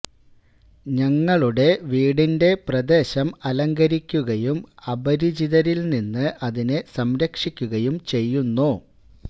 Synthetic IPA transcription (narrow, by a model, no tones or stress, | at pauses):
ɲɐŋːɐɭuɽe̞ʋiːɽinde̞prɐd̪e̞ːɕɐmɐlɐŋɡɐɾikʲːuɣɐjumɐbɐɾid͡ʑiðɐɾilninːɨʔɐðinesɐmɾɐkʂikʲːuɣɐjumt͡ɕe̞jːunːo